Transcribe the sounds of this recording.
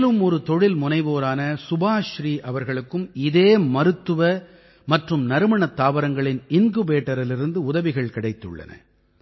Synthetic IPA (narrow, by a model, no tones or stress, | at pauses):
lɯmɔɾɯt̪ɔɻɪlmʊnɐɪʋoːɾaːnɐsʊbaːʃɾiːʔɐʋɐɾɣɐɭɯkːɯmɪðeːmɐɾɯt̪ːɯʋɐ | mɐʈrɯmnɐɾɯmɐɳɐt̪ːaːʋɐɾɐŋɡɐɭɪnɪnɡɯbeːʈːɐɾɪlɪɾɯnd̪ɯʊðɐʋɪɣɐɭkɪɽɐɪt̪ːɯ̰ɭːɐ̰nɐ̰